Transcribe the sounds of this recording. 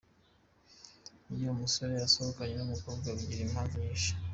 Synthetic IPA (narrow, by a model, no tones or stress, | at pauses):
ijomuso̞ɾe̞jaso̞hokaɲe̞numuko̞ːbɡaβuɟiɾimazɲiʃḁ